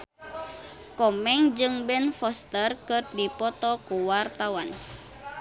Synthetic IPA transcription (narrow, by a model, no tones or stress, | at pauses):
kɔmɛŋd͡ʒɨŋbɛnfɔst̪ərkɨrdipɔt̪ɔkuwart̪awan